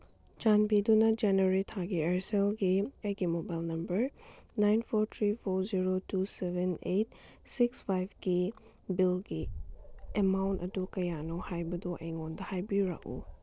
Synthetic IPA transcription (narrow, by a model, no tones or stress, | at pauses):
t͡ʃanbidunɐd͡ʒeneɾitʰaɡieɾselɡiejɡimobajlnɐmbɐɾnajnpʰoɾt̪ʰɾipʰoɾziɾotusebenejt̚ | sikspʰajbɡi | bilɡi | emawntɐdukɐjanohajbɐdoʔɐ̰jŋondɐhajbiɾa̰kṵ